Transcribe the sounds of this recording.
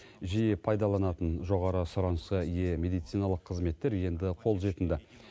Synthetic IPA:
ʒijɪpʰɑjd̪ɑlˠɑnɑt̪ənʒo̞ʁɑɾəsʊɾɑnsəije̞me̞d̪ijt̪sijnɑlˠəqʰːəzme̞t̪ːe̞ɾje̞nd̪ɪqʰo̞lˠʒe̞t̪ɪnd̪ɪ

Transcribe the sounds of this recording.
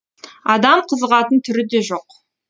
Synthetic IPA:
ɑd̪ɑmqʰəzəʁɑt̪ənt̪ʰʏɾɪd̪e̞ʒo̞q

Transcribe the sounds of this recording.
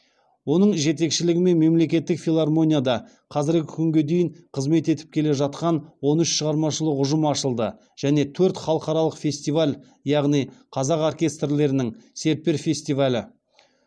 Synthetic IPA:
wo̞nəɴʒe̞t̪̬e̞kʃɪlɪɡʲɪme̞nme̞mle̞kʲe̞t̪ːɪkfʲilˠarmo̞nʲijad̪ɑ | qʰɑzɪɾɡʲɪkʲʰʏŋɡʲe̞d̪e̞jɪɴqʰəzme̞t̪e̞t̪ɪp̚kʲʰe̞le̞ʒɑt̪̚qɑnwo̞nʏʃʃəʁɑɾmɑʃəlˠəqʊʒəmɑʃəlˠd̪ə | ʒ̥æne̞t̪ʰɵɾt̪χɑlˠəqɑɾɑlˠəqfʲe̞sʲt̪ivalʲ | jɑʁnijqʰɑzɑqorkʲe̞st̪rle̞ɾɪnɪŋse̞ɾt̪̚pe̞ɾfʲe̞sʲt̪ivalʲɪ

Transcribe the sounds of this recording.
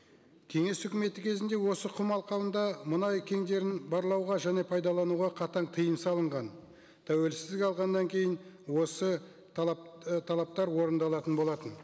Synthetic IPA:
kʲʰe̞ŋe̞sʏkʲɪme̞t̪ɪkʲʰe̞zɪnd̪e̞wo̞səqʰʊmɑlˠqɑwənd̪ɑmənɑjkʲʰe̞ŋd̪e̞ɾɪnbɑɾlˠɑwʁɑʒæne̞pʰɑjd̪ɑlˠɑnuʁɑqʰɑt̪ɑɴt̪ʰəjənsɑlˠəɴʁɑn | t̪ʰæwe̞lsɪzd̪ɪɑlˠʁɑnd̪ɑŋkʲʰe̞jɪnwo̞sə | t̪ʰɑlˠɑp̚t̪ɑɾwo̞ɾənd̪ɑlˠɑt̪ənbo̞lˠɑt̪ən

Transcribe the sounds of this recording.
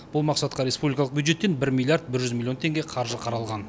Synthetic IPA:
b̥ʊlˠmɑqsɑt̪̚qɑɾe̞spublijkɑlˠəq̚bjud̪ʒe̞t̪ːe̞nbɪɾmʲilˠijaɾd̪̚bɪɾʒʏzmilʲːiot̪ʰe̞ŋɡʲe̞qʰɑɾʒəqʰɑɾɑlˠʁɑn

